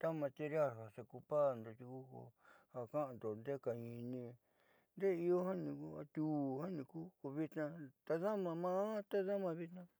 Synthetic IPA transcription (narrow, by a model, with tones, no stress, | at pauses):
t̪a˦mã˧t̪i˧ɾa˦˨ha˨se˧ku˧pa˦˨nd̪o˧t̪u˧ku˦ko̰˧ha˨kã˦ʔa˨nd̪o˨nd̪e˦ka˨ɲĩ˧nĩ˧ | nd̪e˦i˧o˦hã˦nĩ˧ku˦a̰˧t̪u˨˧ha˦nĩ˧kuː˦ko˧βi˧t̪nã˧t̪a˧ða˦mã˧mã˦t̪a˦ða˦mã˧βi˧t̪nã˧